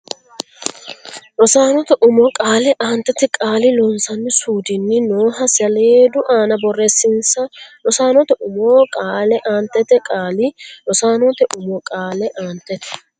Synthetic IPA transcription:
ʔɔsaːnɔt̪ɛʔʊmɔkʼaːlɛʔaːnt̪ːɛt̪ɛkʼaːlɪlɔnsɐnːɪsuːd̪ɪnːɪnoːɦɐsɪɐleːd̪ʊʔaːnɐbɔrːesɪnsɐlɔsaːnɔt̪ɛʔʊmoːkʼaːlɛʔaːnt̪ːɛt̪ɛkʼaːlɪlɔsaːnɔt̪ɛʔʊmɔkʼaːlɛʔaːnt̪ːɛt̪ɛ̥

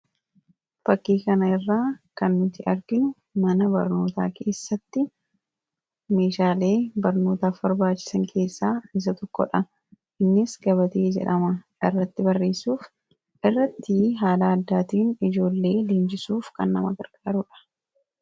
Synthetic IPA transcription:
b̥ɐkːiːkɐnɐɪrːaːkɐnːʊt̪ɪʔɐɾɡɪnʊ | mɐnɐbɐ̰ɾno̞ːt̪a̰ːkʰe̞ːsːɐt̪ːɪ | me̞ːʃaːle̞ːbɐɾno̞ːt̪aːfbɐɾbaːt͡ʃːɪ̥sɐŋkʰe̞ːsːaːɪs̬ɐt̪ɔkːɔ̰ᶑɐ | ʔɪnːɪsɡɐβɐt̪eːd͡ʒɛ̰ᶑɐmɐʔɪrːɐt̪ːɪbɐrːe̞ːsuːf | ʔɪrːɐt̪ːɪɦaːlaːɐd̪ːaːt̪iːnɪd͡ʒo̞ːlːe̞ːleːnd͡ʒɪsuːfkɐ̰nːɐ̰mɐkɐɾkʼaːɾʊᶑɐ̥

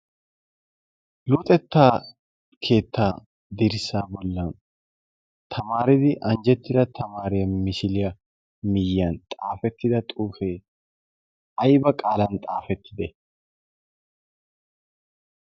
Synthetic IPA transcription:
lɔt̪ʼɛt̪ːaː | kʰe̞ːt̪ʰːaː | d̪ɪɾɪsaːbɔlːɐn | t̪ʰɐmaːɾɪd̪ɪʔɐnd͡ʒɛt̪ːɪd̪ɐt̪ʰɐmaːɾɪjɐmɪsɪlɪjɐ | mɪjjɐnt̪ʼaːfɛt̪ːɪd̪ɐt̪ʼuːfeː | ɐjbɐkʼaːlɐnt̪ʼaːfɛt̪ʰːɪd̪ɛ

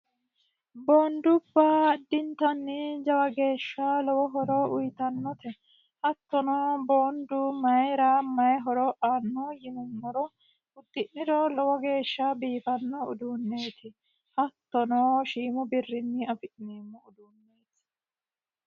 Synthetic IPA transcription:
boːnd̪ʊbːaːd̪ːɪnt̪ɐnːɪd͡ʒɐwɐɡe̞ːʃːɐlɔwɔɦɔɾɔʔʊjt̪ɐnːɔt̪ɛ | hɐt̪ːɔnɔːboːnd̪ʊmɐjɾaːmɐjɦɔɾɔʔaːnːɔjɪmɪmːɔɾɔ | ʊd̪ːɪʔnɪd̪ɔlɔwɔɡe̞ːʃːɐbiːfɐnːɔʊ̰d̪unːeːt̪ʰɪ | hɐt̪ːɔnoːʃiːmʊbɪrːɪnːɪɐfɪʔnimːɔʊd̪unːe̞ːt̪ɪ̥

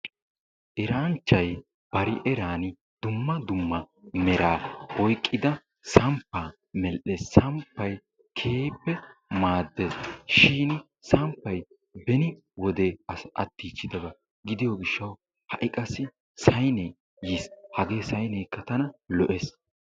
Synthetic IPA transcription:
ʔɛɾaːnt͡ʃːɐj | b̥ɐɾɪʔɛɾaːnɪ | d̪ʊmːɐd̪ʊmːɐ | mɛɾaːbɔjkʼːɪd̪ɐ | sɐmpːaː | mɛlʔːesːɐmpːɐj | kʰeːpːɛmaːd̪ːesʃiːn | sɐmpːɐj | bɛnɪ | wɔd̪eːɐ̰t̪ːiːt͡ʃːɪd̪ɐɡɐ | ɡɪd̪ɪjɔɡɪʃːɐw | hɐʔɪkʼɐsɪ | sɐjnɛj | jishɐɡe̞ːsɐjnɛjkːɐt̪ɐnɐlɔʔes

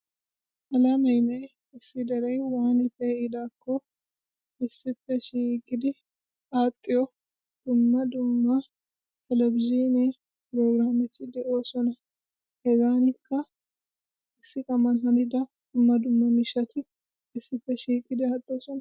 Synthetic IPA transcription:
ʔɐlɐmɐjnɐj | ɪsːɪd̪ɐɾɐjwaːnɪfːɛɪd̪aːkːɔ | ɪsːɪfːɛʃiːkʼɪd̪ɪ | at̪ʼːɪjɔ | d̪̥ʊmːɐd̪ʊmːɐ | t̪ʰɛlɛbɪzine | pɪɾoːɡɾaːmɛt̪ːɪd̪ɛʔo̞ːsɔnɐ | hɛɡaːnɪkʰːɐ | ɪsːɪkʼɐmɐnhɐnɪd̪ɐ | d̪̥ʊmːɐd̪ʊmːɐmɪʃɐt̪ʰɪ | ɪsːɪfːɛʃiːkʼɪd̪ɪat̪ʼːoːsɔnɐ

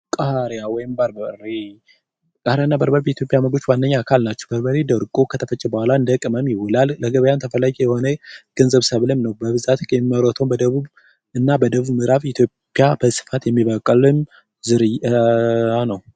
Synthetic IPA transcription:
kʼaɾjawɔjɪmbaɾbəɾe | kʼaɾjanːabəɾbəɾbɛit̪ʰjo̞pʼjaməɡo̞t͡ʃːwanːəɲːaakʰalnat͡ʃːɛwbəɾbəɾed̪əɾɡʼokʰət̪ʰəfət͡ʃʼːɛbəhʷalaɨnd̪əkʼɨməmjɪwʊlalːəɡəβəjant̪ʰəfəlaɡʼijɛho̞nəɡ̥ənzəβsəβləmnəwbəβɨzat̪ʼɛməɾət̪ʰombəd̪əβuβ | ɨnːabəd̪əβuβmɨɾaβɪt̪ʰjo̞pʼːijabəsɨ̥fat̪jɛmːiβəkʼəlɨm | zɨɾɨj | anəw

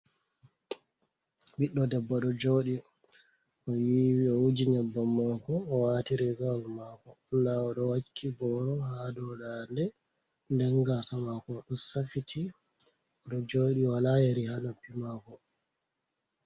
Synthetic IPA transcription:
biɗːɔdɛbːaɗɔd͡ʒoɗi | ɔjiwiɔud͡ʒiɲabːamakɔːwaːtiɾɛɡalmakɔndaɔɗɔwakʰːibɔɾɔhadɔɗandɛ | ndɛŋɡasamakɔɗɔsafitʰi | ɔɗɔd͡ʒoːɗiwalajeɾihanapːimaːkɔ

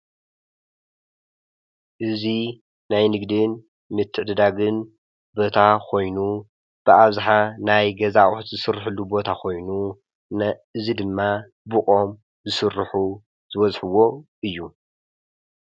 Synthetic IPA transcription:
ʔɨzi | najnɨɡd̪ɨn | mɨt̪ʰːɨʕd̪ɨd̪aɡɨn | bo̞t̪ʰakʰo̞jnu | b̥ɨʔaβzaħanajɡɐzaʔʼħt̪zɨsɨrːħɨlːubo̞t̪ʰakʰo̞jnu | nʔɨzid̪ɨmːa | bɨkʼo̞m | zɨsɨrːħu | zɨβɐzħɨwo̞ʔɨjːu

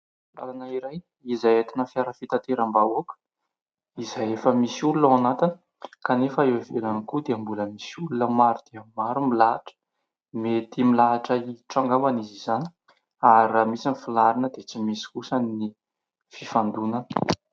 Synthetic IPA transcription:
la̰lanaiɾaj | izajet̪inəfiaɾəfit̪at̪eɾambaokə̥ | izajefəmisiululawanat̪inə̥ | kanefəewvelanikud̪eambuləmisiululəmaɾud̪̥eəmaɾumilaʈ͡ʂə̥ | met̪imilaːʈ͡ʂəiʈ͡ʂaŋɡambanizizani̥ | aɾiamisinifilaɾinəd̪et͡simisi̥kusani | fifand̪unanə̥

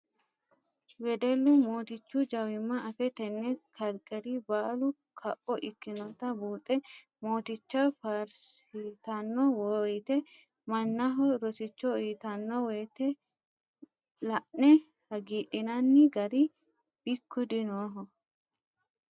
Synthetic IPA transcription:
wɛd̪ɛlːʊmo̞ːt̪ɪt͡ʃːʊd͡ʒɐwɪmːɐɐfɛt̪ɛnːɛkʰɐlkʼːɛɾibaːlʊ | kʰɐʔɔʔɪkːɪnɔt̪ːɐbuːt̪ʼːɛ | mo̞ːt̪ɪt͡ʃːɐfaːɾsɪt̪ɐnːɔwɔjt̪ɛ | mɐnːɐɦɔɾɔsɪt͡ʃːɔiːt̪ɐnːɔwɛjt̪ɛ | lɐʔnɛ | hɐɡiːɗɪnɐnːɪɡɐɾɪ | b̥ɪkːʊd̪ɪnoːɦɔ

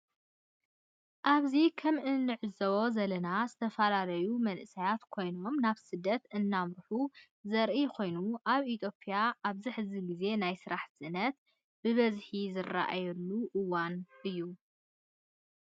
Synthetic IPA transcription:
ʔaβzikʰɐmʔɨnːɨʕɨzɐwo̞zɐlɐnazɨt̪ʰɐfɐlalɐjumɐnʔɨsijat̪kʰo̞jno̞mnaβsɨd̪ːɐt̪ɨnːamɾɨħu | zɐɾʔikʰo̞jnuʔaβit̪ʰjo̞pʰʼːijaʔaβziħɨziɡize̞najsɨɾaħɨnɐt̪ | b̥ɨβɐzħizɨrːa̰ʔa̰jɛlːuʔɨwanʔɨjːu

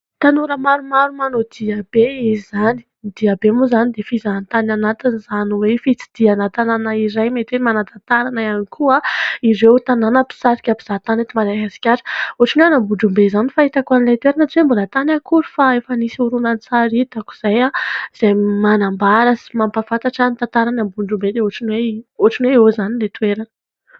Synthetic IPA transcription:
t̪anuɾəmaɾumaɾumanod̪̥iabeizizani̥ | d̪̥iabemuzanid̪efizant̪ananat̪iniz̥aniwefit͡si̥d̪̥ianat̪ananaiɾajmet̪enimanat̪at̪aɾanaanikʰuaiɾewt̪ananəpi̥saɾi̥kʲapiz̥at̪anet̪imaɾaɦasi̥kʲaɾ̥oaʈ͡ʂineanambuɳɖ͡ʐumbezanifaɦit̪akuanilat̪uweɾanat͡siwembulat̪anakuɾu̥faefənisiuɾunant͡saɾit̪aku̥z̥ajaz̥ajmanambaɾəsi̥mampafant̪aʈ͡ʂanit̪ant̪aɾanambuɳɖ͡ʐumbed̪eoʈ͡ʂinweoʈ͡ʂinweezanilet̪ueɾanə

